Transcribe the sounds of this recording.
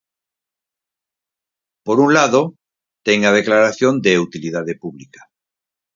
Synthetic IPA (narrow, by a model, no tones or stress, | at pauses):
poɾuŋlaðo | t̪ɛŋað̞eklaɾaθjond̪eut̪ilið̞aðepuβlikḁ